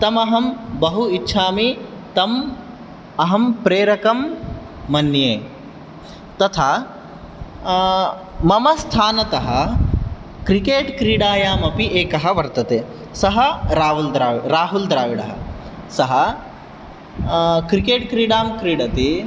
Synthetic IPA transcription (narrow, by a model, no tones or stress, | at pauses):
t̪ɐmɐɦɐmbɐɦuitːʃʰaːmi | t̪ɐm | ɐɦɐmpɾeːɾɐkɐmː | ɐnːjeː | t̪ɐt̪ʰaː | mɐmɐst̪ʰaːnɐt̪ɐɦɐ̆ | kɾikeːʈkɾiːɽaːjaːmɐpiʔeːkɐɦɐ̆ʋɐɾt̪ɐt̪eː | sɐɦɐɾaːɦuld̪ɾaːʋiɽɾaːɦuld̪ɾaːʋiɽɐ̰ɦɐ̰ | sɐɦɐ | kɾikeːʈkɾiːɽaːmkɾiːɽɐt̪i